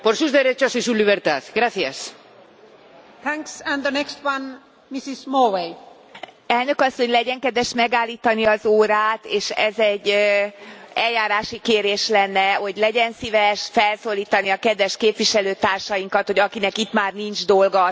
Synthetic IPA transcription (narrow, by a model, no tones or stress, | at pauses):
poɾsuzd̪eɾet͡ʃɔsisuliβɛɾt̪aðɡɾaθias | θʰæ̃ŋksɛ̃nd̪ənɛkst̪wãn | misismowej | ɛlnøkɒsːoɲlɛɟɛŋkɛd̪ʋɛʃmɛɡaːlːiːt̪ɒniɒzoːɾaːt̪eːʃɛ̰zɛɟː | ɛljaːɾaːʃikeːɾeːʃlɛnːɛho̞ɟlɛɟɛnsivɛʃfɛlsoːliːt̪ɒniɒkɛd̪ʋɛʃkeːpʋiʃɛløːt̪aːrʃɒjiŋkɒt̪ho̞ɟɒkinɛkit̪maːrnint͡ʃd̪o̞lɡɒ